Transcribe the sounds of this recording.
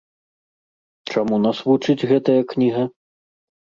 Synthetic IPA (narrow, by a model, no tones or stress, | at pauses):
t͡ʂamunasvut͡ʂɨd͡zʲɣɛt̪ɐjɐknʲiɣɐ